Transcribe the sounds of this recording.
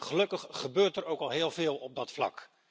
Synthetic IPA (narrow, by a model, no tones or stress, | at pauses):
χəlɵkəχːəbøːɹtɛɹowkɑlˠɦɪːlˠvɪːlˠɔb̚dɑtflɑ̰k